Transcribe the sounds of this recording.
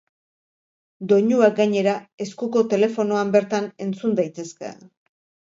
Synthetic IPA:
d̪o̞ɲuaɡaɲe̞ɾae̞skuko̞t̪e̞le̞fo̞no̞ambe̞ɾt̪ane̞nt͡sund̪ajt̪e̞ske̞̰

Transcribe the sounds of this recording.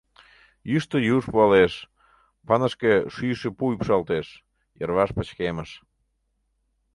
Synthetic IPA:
jyʃt̪əjuʃpuɑleʃ | pɑnəʃkeʃyjʃepuypʃɑlt̪eʃ | jə̰rβɑʃpət͡ɕkeməʃ

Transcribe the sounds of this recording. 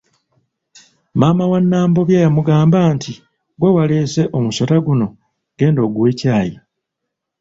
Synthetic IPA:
maːmawanːaːmbo̞βjaːjamuɡaːmbaːntʰi | ɡwewale̞ːse̞ʔomusataɡuno̞ | ɡ̥e̞ːndo̞ːɡuwe̞ːcaːji

